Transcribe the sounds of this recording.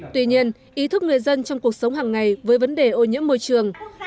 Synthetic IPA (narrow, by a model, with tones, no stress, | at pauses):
t̪wi˧ɲi˧ən | ʔi˨˦t̪ʰɨ˦˥k̚ŋɨ˨˩əjzə˧nt͡ɕɔ˧wŋ͡mku˨˩ək̚sə˨˦wŋ͡mɦaː˨˩ŋːa˨˩jvəː˨˦jvə˨˦nɗe˨˩ʔo˧ɲɨ̰˧˥əmːo˧jt͡ɕɨ˨˩əŋ